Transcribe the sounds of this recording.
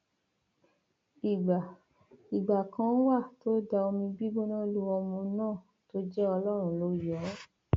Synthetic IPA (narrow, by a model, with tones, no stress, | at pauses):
i˨a˨ | i˨ɡ͡ba˨kʰã˧˦n̩˦wa˦˨to˨˦da˧o˧mĩ˧bi˦ɡ͡bõ˦nã˦lu˦wɔ˧mũ˧nãː˦˨ | to˦d͡ʒɛ˦ɔ˧lɔ˦ɾ̃ũ˦˨lo˨˦jɔ˨˦